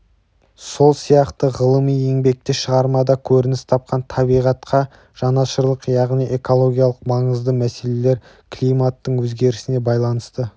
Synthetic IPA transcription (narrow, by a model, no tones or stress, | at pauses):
so̞lˠsijɑqt̪əʁəlˠəmije̞ŋbe̞k̚t̪ɪʃəʁɑɾmɑd̪ɑkʲʰɵɾɪnɪst̪ʰɑp̚qɑnt̪ʰɑbijʁɑt̪qʰɑ | ʒ̥ɑnɑʃəɾlˠəqjɑʁnijʔe̞ko̞lˠo̞ɡʲijaɑlˠəqmɑɴəzd̪əmæse̞le̞le̞ɾ | kʰlʲijmat̪ːəɴwɵzɡʲe̞ɾɪsɪne̞bɑjlˠɑnəst̪ə